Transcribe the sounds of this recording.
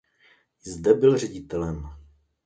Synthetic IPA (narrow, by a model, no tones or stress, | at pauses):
zd̪ɛbɪlr̝ɛɟɪt̪ɛlɛm